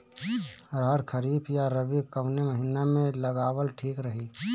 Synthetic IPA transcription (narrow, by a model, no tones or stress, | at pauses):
ɾɦəɾkʰəɾiːpʰjaɾəbikəʋneməɦɪnamẽləɡaːwəlʈʰiːkɾəɦi